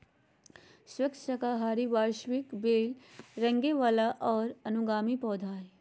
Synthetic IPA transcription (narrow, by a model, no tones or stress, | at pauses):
swɐkʃəkaɦaːɾiʋaːɾʃwɪkbeːlɾɐ̃ŋɡeʋaːlaʔɔːɾɐnʊɡaːmipɔːd̪ʱaːɾ